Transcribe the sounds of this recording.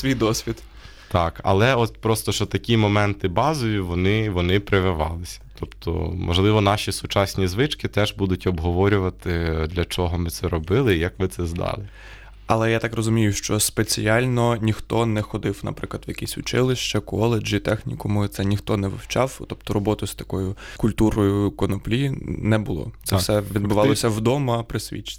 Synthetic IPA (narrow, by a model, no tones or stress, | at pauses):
sʋʲijd̪ɔsʲʋʲid̪ | t̪ɑkɐ̰lˠɛɔt̪pɾɔst̪ɔʃt͡ʃɔt̪ɐkʲimɔmɛnt̪ɪbɑzɔjʊʋɔnɪʋɔnɪpɾɪʋɪʋɑ̰lˠɪsʲɐ̥t̪ɔptt̪ʰɔ̰mɔ̰ʒlˠɪʋɔnɑʃʲisʊt͡ʃɑsʲnʲizʋɪt͡ʃkɪt̪ɛʒbud̪ʊtʲɔbɦɔʋɔɾʲʊʋɐt̪ɪd̪lʲɐt͡ʃɔɦɔmɪt̪sɛɾɔbɪlˠɪjɐkʋɪt̪sɛzd̪ɑ̰lˠɪ | ɐlˠɛjat̪ɑkrɔzʊmʲijʊʃt͡ʃɔspet͡sʲijɑlʲnɔnʲixt̪ɔnɛxɔd̪ɪwnɐ̰pɾɪklˠɐd̪ʋjɐkʲisʲʊt͡ʃɪlˠɪʃt͡ʃɐkɔlˠed͡ʒit̪ɛxnʲikɔmʊt̪sɛnʲixt̪ɔnɛʋɪ̰wt͡ʃɑwt̪ɔpt̪ɔɾɔbɔt̪ɔst̪ɐkɔjʊkʊlʲt̪uɾɔjʊkɔnɔplʲinɛbʊlˠɔ̰t̪sɛfsɛʋʲid̪bʊʋɑlˠɔsʲɐwd̪ɔmɐpɾɪsʲʋʲḭt͡ʃɪ̥